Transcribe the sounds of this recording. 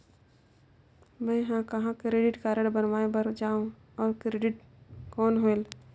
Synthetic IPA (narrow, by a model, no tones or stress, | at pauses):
mɛ̃ːɦãkɐɦãkɾeːɖɪʈkaːɾəɽbənʋaːebəɾd͡ʒaːũ | ɔːɾkɾeːɖɪʈ | kɔːnɦoel